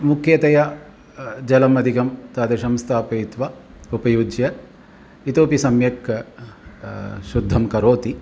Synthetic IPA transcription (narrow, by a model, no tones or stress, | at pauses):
mukʰjɐt̪ɐja | d͡ʒɐlɐmɐd̪iɡɐmt̪aːd̪ɐʃɐmst̪ʰaːpɐjit̪ʋa | upɐjud͡ʒjɐ | it̪oːpisɐmjɐk | ʃud̪ʱːɐmkɐɾoːt̪i